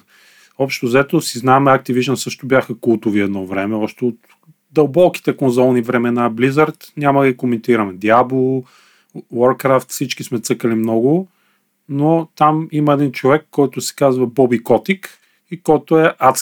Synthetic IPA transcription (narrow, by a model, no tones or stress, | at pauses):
ɔpʃt̪ozɐɛt̪osiznaɛmɛak̚t̪iviʒnəsɤʃt̪obʲjaxəkulˠt̪ʊviɛd̪nɔvɾɛmɛɔʃt̪ɛot̪ | d̪ɐlˠbɔki̥t̪ɛkonzɔlˠnivɾɛmɛnablizəɾt̪nʲaməd̪əɡikomɛnt̪iɾɐmɛd̪iablˠo | wɔɾkɾaft̪fsit͡ʃkismɛt̪sɤkəlimnɔɡʊ | not̪amimɐɛd̪int͡ʃovɛkːɔjt̪ʊsɛ̥kazvɐbɔbikɔt̪ik | ikɔjt̪ʊɛʔat̪s